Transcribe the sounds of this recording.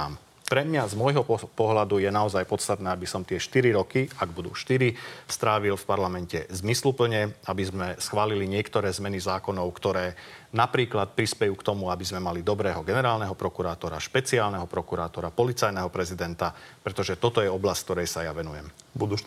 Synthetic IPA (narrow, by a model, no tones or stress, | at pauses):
m | pɾɛmɲazmɔjɦɔpɔɦlad̪ujɛnaɔzajpɔt̪st̪at̪nɛːabisɔmt̪ɪɛʃt̪iɾiɾɔkiaɡbud̪ṵːʃt̪iɾist̪ɾaːʋilfpaɾlamɛncɛzmislupl̩ɲɛabizmɛsxʋaːliliɲɪɛkt̪ɔɾɛːzmɛnizaːkɔnɔʊkt̪ɔɾɛːnapɾiːklat̪̚pɾispɛjuːkt̪ɔmuabizmɛmalid̪ɔbɾɛːɦɔɡɛnɛɾaːlnɛɦɔpɾɔkuɾaːt̪ɔɾa̰ʃpɛt͡siaːlnɛɦɔpɾɔkuɾaːt̪ɔɾapɔlit͡sajnɛɦɔpɾɛzid̪ɛnt̪apɾɛt̪ɔʒɛt̪ɔt̪ɔjɛɔblasckt̪ɔɾɛjsajaʋɛnujɛmbud̪u